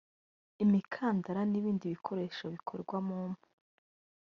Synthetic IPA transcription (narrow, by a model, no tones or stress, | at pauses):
imikʰaːndaɾaniβiːndiβikʰo̞ɾe̞ːʃoβikʰo̰ɾɡwamuːmhu̥